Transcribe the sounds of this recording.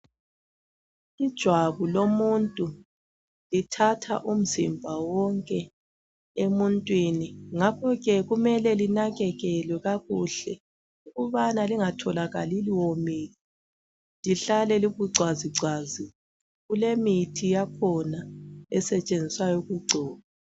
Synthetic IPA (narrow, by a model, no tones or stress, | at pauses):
id̥ʒ̥ʱwaβulomuntʼu | litʰatʰa̰ʔum̩zḭmbʱawɔŋkʼɛ | emuntʼwiniŋakʰɔɣɛɣumɛlɛlinaɣɛɣɛlwɛɣaɣuɬɛ | uɣuβanaliŋatʰɔlaɣa̰liliwomiːɣi | liɬalɛliɣuɡ͡ǀʱwaziǀʱazi | ɣulemitʰijakʰɔnaɛsɛt͡ʃʼend͡zʱiswajɔɣuɡ͡ǀʱɔːβa